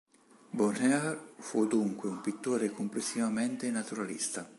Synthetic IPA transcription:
bonɛaɾfud̪uŋkweumpit̪ːoːɾekomplesːivament̪enat̪uɾalḭst̪a

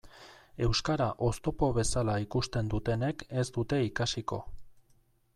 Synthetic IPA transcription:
e̞wskaɾaʔo̞st̪o̞po̞β̞e̞salaikust̪e̞nd̪ut̪e̞ne̞ke̞zd̪ut̪e̞ikasiko̞̰

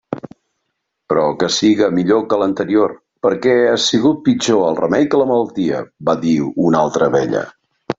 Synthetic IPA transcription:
pɾɔkəsiɣəmiʎokələnt̪əɾior | pəɾkɛasiɣ̞ut̪̚pid͡ʒoəlˠrəmɛjkələmələlˠt̪iə̰baðiunalˠt̪ɾəβɛʎə̰

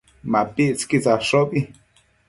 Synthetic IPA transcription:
mapiʔt͡skit͡saʂobi

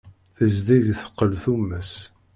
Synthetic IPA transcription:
θəzðiʝθə̥qːəlθumːəs

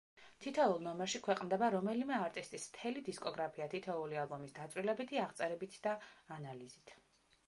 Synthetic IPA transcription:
t̪ʰit̪ʰɔulˠnɔmɛɾʃikʰwɛqʼnd̪ɛbaɾɔmɛlimɛaɾt̪ʼist̪ʼismt̪ʰɛlid̪iskʼɔɡɾapʰiat̪ʰit̪ʰɔulialˠbɔmisd̪at̪sʼwilɛbit̪ʰiaʁt̪sʼɛɾɛbit̪ʰd̪aanalizit̪ʰ

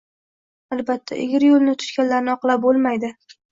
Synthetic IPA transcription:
albat̪ʰːa̰ʔɪɡʲɪɾjolˠnɪt̪ʰʊ̥ʃkʲanlaɾnɪɒqlˠap̚bolˠmajd̪ɪ

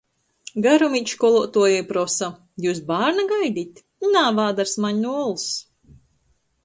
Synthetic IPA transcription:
ɡaɾɔmic̪kɔlˠɔt̪uɔjɛjpɾɔsa | juːs̬baːɾnaɡajd̪ʲit̪ʲ | naːvaːd̪aɾsmaɲnuɔlˠs

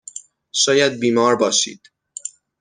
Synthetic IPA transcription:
ʃɒːjæd̪̚biːmɒːɾbɒːʃḭːd̪̥

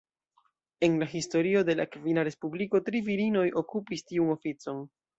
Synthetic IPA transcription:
e̞nlaɦisto̞ɾio̞de̞la̰kvinaɾe̞spubliko̞tɾiviɾino̞jʔo̞kupistiuno̞fit͡so̞n

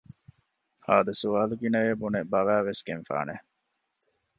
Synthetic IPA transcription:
haːd̪ɐsuʋaːluɡinɐjebunebɐʋæːʋesɡenfa̰ːne

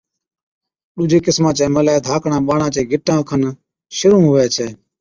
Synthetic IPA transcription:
ɗuːd͡ʒeːkɪsmãːt͡ʃẽːməlaːd̪ʱaːkɳãːɓaːɳãːt͡ʃẽːɡʱɪʈːãːkʰən | ʃʊɾũːɦʊːʋeːt͡ʃʰeː

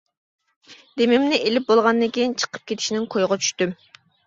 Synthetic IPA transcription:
d̪emɪmnɪʔelɪp̚bolˠʁɑnd̪ɨŋkʲejint͡ʃʰə̥qʰə̥p̚kʲet̪ʰiʃinɪŋkʰojʁɑt͡ʃʰy̥ʃt̪ym

